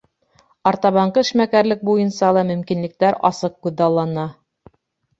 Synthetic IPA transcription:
ɑɾt̪ɑβɑɴqɤɘ̆ʃmækæɾlɘk̚bujɤ̆nsɑlˠɑmɵ̆mkinlɘ̆k̚t̪æɾɑsɤq̚kʉðːɑlˠːɑnɑ

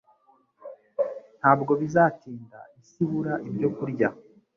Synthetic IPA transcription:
n̥haːbɡo̞βizaːtiːnda̰isiβuɾaʔibɟo̞kuɾɟa

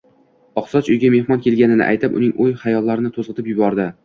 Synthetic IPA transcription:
ɒqsɒt͡ʃʊjɡʲame̞hmɒnkʲe̞lɡʲanɪnɪ̰ʔa̰jt̪ʰɪpʊ̰nɪŋojχajɒlːaɾɪnɪt̪ʰozʁɨt̪ʰɪpjʊbɒɾd̪ɪ

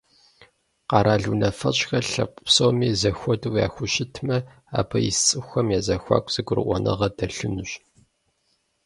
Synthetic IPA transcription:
qɑɾʔaːɮunɐfɐt͡ʃʼxɐɬɐ̰pʷʼsowmiːzɐxʷɔdɨwja̰ːxʷʊɕɪtʰmɐ | a̰ːbʰɐjɪ̰sʼɨxʷɐmjaːzɐxʷa̰ːkʷʼz̥ɐɡʷʊɾɨ̰ʔʷɔnʔɐ̰ʁɐdɐɬɨnɨɕ

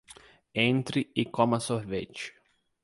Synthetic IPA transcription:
ẽnt̪ɾɪɪkõmɐsoɾvet͡ʃɪ̥

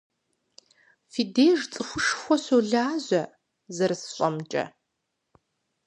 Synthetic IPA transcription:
fiːdeːʐt͡sʼɨxʷʊʂxʷɔɕoːɮaːʑʷɐ | zɐɾɨsɕʷʼɐmt͡ʃʼɐ̰

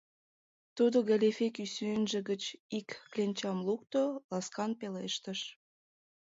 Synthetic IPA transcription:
t̪ud̪oɣælʲefekysynʒə̆ɣət͡ɕikklʲenʲt͡ɕɑmluk̚t̪olɑskɑnpeleʃt̪əʃ

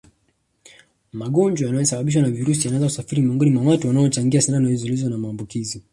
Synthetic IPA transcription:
maɠɔnd͡ʒwajanajɔsaɓaɓiʃ̬wanaviɾusijanaɛnzaku̥safiɾimiɔŋɡɔnimwawatuwanaɔt͡ʃaŋɡiasananalizulizɔnamaːmbukizi

